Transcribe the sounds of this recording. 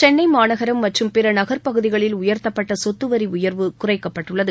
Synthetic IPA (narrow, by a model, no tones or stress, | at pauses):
t͡ʃɛnːɐɪmaːnɐɣɐɾɐmːɐʈrɯmpɪɾɐnɐɣɐɾpɐɣɯðɪɣɐɭɪlʊjɐɾt̪ɐpːɐʈːɐsɔt̪ːɯʋɐɾiʊjɐɾʋɯkʊrɐɪkːɐpːɐʈːɯɭːɐðɯ